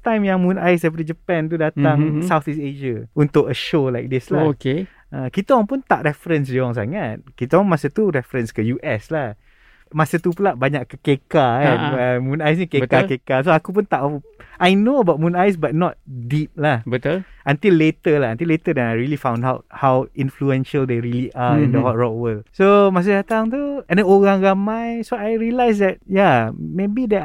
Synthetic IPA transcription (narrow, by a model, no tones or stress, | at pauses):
t̪ãjmjaŋmũnajs̬dɛp̬əɾt̪id͡ʒəpɛ̃nt̪udat̪aŋssawt̪iseʃaunt̪ʊkəʃolajk̚dɪslaoke | ə̃kit̪əaŋpʊnt̪aʔɾɛfɾəns̬diɔŋs̬a̰ŋat̪̚kit̪əãŋmasət̪uɾɛfɾənskəjuʔɛslah | masət̪upulaʔbaɲaʔkːəkekaaəmũnajs̬nĩkekakekasoakup̬ʊnt̪aʔajnoəbat̚mũnajs̬bat̚nɔt̚dip̚lahbət̪ulʔənt̪ilːet̪əlaɦənt̪ilet̪ədɛnajɹilifãw̃ndawt̚hawĩnfluɛ̃nʃəld̪eɹiliʔaĩndəwɔt̚ɹɔʔ̚wəlsomas̬ədat̪aŋt̪uɛ̃ndəoɾaŋɾamãjsoajɹiəlajs̬dɛt̚jamebidə